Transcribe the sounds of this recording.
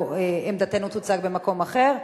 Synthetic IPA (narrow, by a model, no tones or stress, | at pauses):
eemd̪at̪enut̪ut͡sak̚be̞mako̞maχe̞ʁ